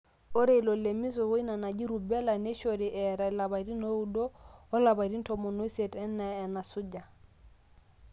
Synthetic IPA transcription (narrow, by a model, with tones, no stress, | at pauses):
o˦ɾe˦i˨lo˨le˨mi˦s̬ɔ˨wo˦i˦na˨na˨d͡ʒi˦ɾu˨bɛ˦la˨ne˦ʃo˨ɾi˨ʔɛ˨ɾa˨la˨βa˨i˨ɾi˦no˦u˦doː˦la˨βa˨ɾi˦n̩˦tɔ˨mɔ˨no˦i˦se˨tɛ˦naː˨na˨sʊ˦d͡ʒa˨